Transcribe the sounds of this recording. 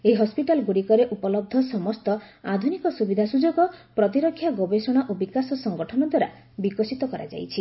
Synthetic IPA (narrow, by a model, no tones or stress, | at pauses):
eiɦɔspiʈalɡuɽikɔɾeʔupɔlɔb̚d̪ʱɔsɔmɔst̪ɔad̪ʱunikɔsubid̪ʱasud͡ʒɔɡɔpɾɔt̪̬iɾɔkʰːjaɡɔbesɔɽ̃aʔobikasɔsɔŋɡɔʈʰɔnɔd̪waɾa̰ | bikɔsit̪ɔkɔɾa̰d͡ʒa̰jt͡ʃʰi